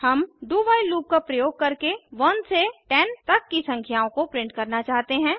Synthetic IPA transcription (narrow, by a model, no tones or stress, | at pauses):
hɐmd̪uʋaːiluːp̚kapɾɐjoːɡ̚kɐɾkeʋɐnseʈɛnt̪ɐkːisɐ̃ŋkʰjaːõkopɾɪ̃ɳʈ̚kɐɾnat͡ʃaːɦt̪eɦɛ̃ː